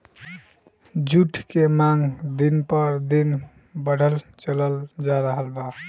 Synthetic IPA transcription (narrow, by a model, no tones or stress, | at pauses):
d͡ʒuʈʰkemaŋɡd̪inpəɾd̪in | bəɽ̤ʱəlt͡ʃələld͡ʒaɾəɦəlba